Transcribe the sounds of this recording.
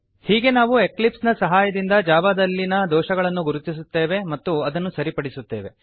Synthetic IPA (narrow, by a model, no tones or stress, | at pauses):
hiːɡe̞naːʋue̞klipsnɐsɐɦaːjɐd̪ind̪ɐd͡ʒaːbad̪ɐlːinɐd̪ɔːʃɐɡɐɭɐnːuɡuɾut̪ːisut̪ːe̞ːʋe̞mɐt̪ːuɐd̪ɐnːusɐɾipɐɽisut̪ːe̞ːʋe̞